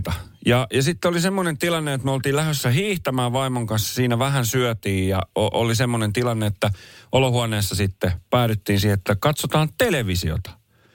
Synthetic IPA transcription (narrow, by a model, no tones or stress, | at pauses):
t̪ɑjɑjɑsit̪ːeolisemːonent̪ilɑnːeet̪møolt̪iːlæhøsːæhiːht̪æmæːʋʋɑimoŋkɑnsjɑ̥siːnæʋæhænsyœt̪iːjjɑ̰oʔolisemːonent̪ilɑnːeet̪ːæʔolohuɑneːsːɑsit̪ːepæːtyt̪ːiːnsiheet̪ːækɑt̪sot̪ɑːnt̪eleʋisḭo̰t̪ɑ̥